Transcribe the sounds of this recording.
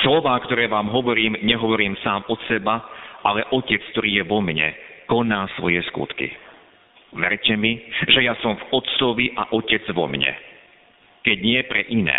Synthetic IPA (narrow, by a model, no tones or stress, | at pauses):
slɔʋaːkt̪ɔɾɛːʋaːmɦɔʋɔɾiːmɲɛɦɔʋɔɾiːmsaːmɔsɛbaʔalɛʔɔcɛt͡skt̪ɔɾiːjɛʋɔmɲɛ̰kɔnaːsʋɔjɛskṵt̪kḭ | ʋɛ̰ɾcɛmiʒɛjasɔmvɔt̪t͡sɔʋiʔa̰ʔɔcɛd͡zʋɔ̰mɲɛ̰ | kɛɟɲɪɛpɾɛʔinɛ̰ː